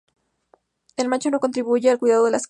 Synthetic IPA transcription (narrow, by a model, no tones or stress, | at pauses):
elmãnt͡ʃo̞noko̞nt̪ɾiβuʝealkwiðaðoðelas